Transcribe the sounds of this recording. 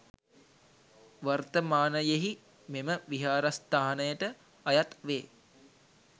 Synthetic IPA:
ʋart̪əmaːnəjeɦi | meməʋiɦaːɾast̪aːnəjəʈə | ajat̪ʋeː

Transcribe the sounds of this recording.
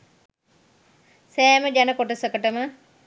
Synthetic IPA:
sɛːməd͡ʒænəkoʈəsəkəʈəmə

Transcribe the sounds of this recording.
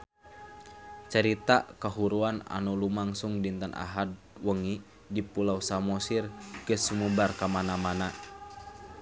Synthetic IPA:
t͡ʃəɾit̪akaɦuɾuana̰nulumaŋsuŋdint̪anʔa̰ɦad̚ | wəŋi | dipulausamɔsirɡəsumubarkamanamana

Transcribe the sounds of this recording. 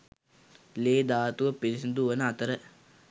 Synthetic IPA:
leːd̪aːt̪uʋəpeɾisɐnd̪uʋənəat̪əɾə

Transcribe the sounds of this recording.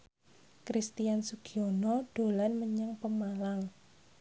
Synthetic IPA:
kɾist̪ijansuɡ̥ionɔɖ̥o̤lanməɲaŋpəmalaŋ

